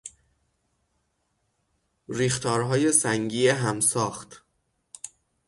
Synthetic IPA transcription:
ɾiːxt̪ʰɒːɾɦɒːje̞sæŋɟiːeɦæmsɒːxt̪

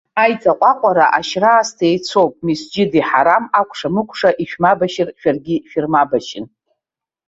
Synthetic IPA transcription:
ajt͡sʼaqʷʼaqʷʼaɾaʔaʃraːstʰejt͡sʰowpʼmisd͡ʒɪdiħaɾamakʷʰʼʂamɨkʷʰʼʂaʔiʃᶣmabaʃɪrʃᶣarɡʲiʃᶣirmabaʃɪn

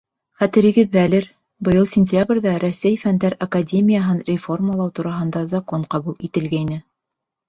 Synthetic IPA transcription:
χæt̪ɘ̆ɾɘ̆ɡɘðːælɘɾ | bɤ̆jɤlˠsʲɪnʲtʲjabrʲðɑɾɵsːæjfænd̪æɾɐkadʲemʲijaɦɤnrʲɪfo̞rməlˠɑwt̪uɾɑɦɤ̆nd̪ɑzɑkoɴqɑβulˠit̪ɘ̆lɡæjnɘ

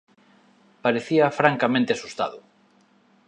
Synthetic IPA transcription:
paɾeθiɐfɾaŋkamẽnt̪easust̪a̰ðʊ

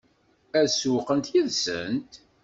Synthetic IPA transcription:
æsuqənt̪jiðsə̰nt̪

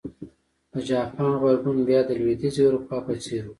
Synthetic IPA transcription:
pəd͡ʒɑːpʰaːnɣaɾɡunbjɑːd̪əlwed̪iziwuɾupɑpɐseɾu

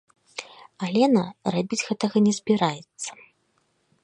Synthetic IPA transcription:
alʲɛnɐrɛbʲid͡zʲɣɛt̪ɐɣɐnʲɛzbʲiɾajɛt̪sːɐ̥

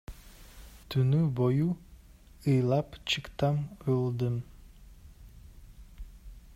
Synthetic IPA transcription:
t̪ʰynyboju | ɯjlˠɑpt͡ʃʰɯkt̪ɑmolˠd̪ɯm

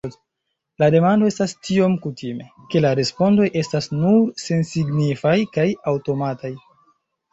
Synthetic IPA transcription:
lade̞mando̞e̞stastio̞mkutime̞ | ke̞laɾe̞spo̞ndo̞jʔe̞stasnuɾse̞nsiɡnifajkajawto̞mataj

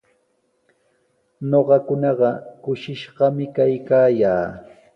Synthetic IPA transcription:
noɢɑkʊnɑɢɑkʊʃɪʃɢɑmɪkajkaːjaː

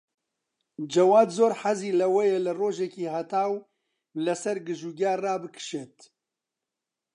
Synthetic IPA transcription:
d͡ʒɛwaːd̪zoːɾħaziːlɐwɛjelɨroːʒɛkiːɦat̪ʰaːw | lɐsɛɾɡɨʒuːɡaːraːbɨkʰɨ̥ʃɛt̪

